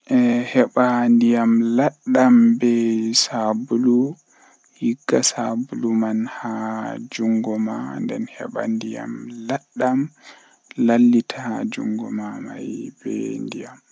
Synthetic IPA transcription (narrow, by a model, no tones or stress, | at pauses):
ʔɛhɛɓandijamlaɗːambɛsabulu | hiɡːasabulumanhad͡ʒuŋɡɔmandɛ̰nhɛ̰ɓa̰ndija̰mlaɗːam | lalːitʰahad͡ʒuŋɡɔmama̰jbɛ̰ndijam